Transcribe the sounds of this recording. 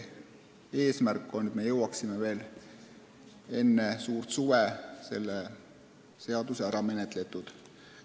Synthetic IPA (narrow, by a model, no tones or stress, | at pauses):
e̞ːsmærkːˑo̞nːet̪d̪me̞jɤwɑksimeve̞ːl | e̞nːe̞suːrt̪suvese̞̰lːe | se̞ɑd̪̥useæɾɑme̞net̪ˑle̞t̪ːˑud̪̥